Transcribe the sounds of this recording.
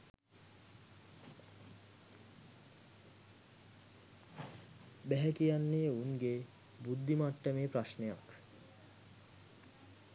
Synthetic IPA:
bɛɦɛkijanːeuŋɡe | bud̪ːimaʈːəmeːpɾaʃnejak

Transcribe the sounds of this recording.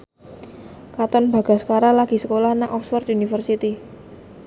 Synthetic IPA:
kat̪ɔnb̥ä̤ɡ̥a̤sə̥kaɾalaɡ̥i̤səkolahnaʔɔkswɔrt̪unifərsit̪i

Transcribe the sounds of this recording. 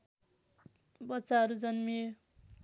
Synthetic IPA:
bʌtːsaɦʌɾud͡zʌnmi

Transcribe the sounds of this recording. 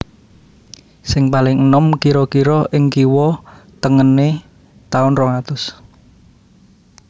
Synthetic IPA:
sɪŋpalɪŋənɔmkiɾɔkiɾɔʔɪŋkiwɔt̪əŋəne | t̪aʊnrɔŋat̪ʊs

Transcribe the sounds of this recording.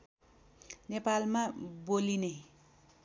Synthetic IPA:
nepalmaboline

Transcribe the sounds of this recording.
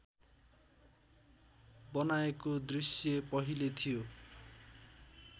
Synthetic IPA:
bʌnaekod̪risjʌpʌɦilet̪ʰijo

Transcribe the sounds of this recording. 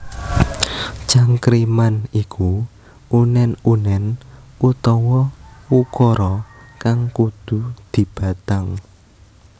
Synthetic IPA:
t͡ʃaŋkɾimanikʰu | ʔunɛnunɛn | ut̪ɔwɔwukɔɾɔkaŋkud̪̥ṳd̪̥i̤b̥ä̤t̪aŋ

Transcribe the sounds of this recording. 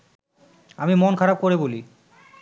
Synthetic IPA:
amimonkʰaɾab̚koɾeboli

